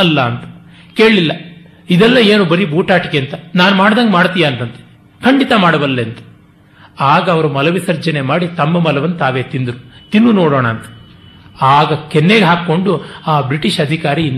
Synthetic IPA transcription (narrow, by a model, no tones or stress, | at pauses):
ɐlːɐːnt̪ɐ̥ | ke̞ːɭlilːɐ | id̪ɛlːɐeːnubɐɾibuːʈaːʈikeɐnt̪ɐnaːnumaːɽd̪aːŋɡɐmaːɽt̪ijaːnt̪ɐnt̪e̥ | kʰɐɳɖit̪ɐmaːɽɐʋɐlːeɐnt̪ɐ̥ | aːɡɐːʋɐɾumɐlɐʋisɐɾd͡ʒɐne̞maːɽit̪ɐmːɐmɐlɐʋɐnːɐt̪aːʋe̞ːt̪ind̪ɾut̪inːunoːɽoːɳɐːnt̪ɐ̥ | aːɡɐkɛnːeːɡɦaːkːo̞ɳɖuaːbɾiʈiʃɐd̪ʱikaːɾin